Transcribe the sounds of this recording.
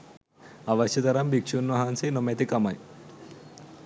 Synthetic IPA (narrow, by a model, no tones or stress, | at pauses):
ɐʋɐɕɐt̪ɐɾɐmbikʂunʋɐɦansinomet̪ikɐmɐj